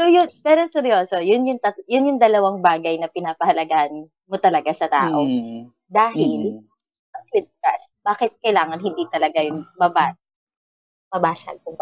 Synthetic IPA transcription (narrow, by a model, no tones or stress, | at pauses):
sojʊnpɛːɾosɛɾjoːso̞jʊnjʊŋt̪ɐjʊnjʊŋd̪ɐlɐwaŋbaːɡɐjnɐpɪnaːpɐhɐlɐɡaːʔɐn | mot̪ɐlɐɡasɐt̪a̰ːʔo | d̪aːɦɪl | pɐswɪd̪̚ka̰sb̥aːkɪt̪̚kɐjlaːŋɐnhɪnd̪it̪ɐlɐɡajʊnmɐbaː | mɐbaːsɐ̰pʊŋb